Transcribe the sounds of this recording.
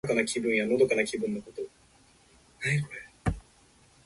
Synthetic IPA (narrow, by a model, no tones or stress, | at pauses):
kanakʲʰibɯ̟̃ɰ̃janod̪okanakʲibɯ̟̃nːokot̪o | najkoe